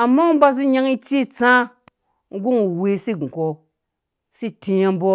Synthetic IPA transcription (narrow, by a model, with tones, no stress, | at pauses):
a˨mːa˦u˦m˦ba˦zi˦ɲa˦ŋi˦t͡si˦˨t͡sã˦ | ŋ̩˦ɡu˦ŋu˨we˨si˦ɡu˨ko˨ | si˦ti˧ja˦m˦bo˦